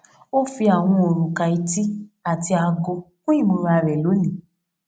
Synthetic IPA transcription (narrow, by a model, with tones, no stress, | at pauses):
o˦fi˧a˨w̃ɔ̃˧o˨ɾũ˨ka˨i˧ti˦a˦˨ti˧a˧ɡo˧kũ˦i˦˨mõ˧˦ɾa˧ɾɛ˨lo˨˦nĩ˨